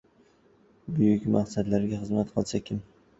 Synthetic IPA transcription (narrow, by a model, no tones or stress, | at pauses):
bʊjʊkʲmaqsad̪laɾɡʲaχɨzmat̪qʰɨlˠsakʲʰɪm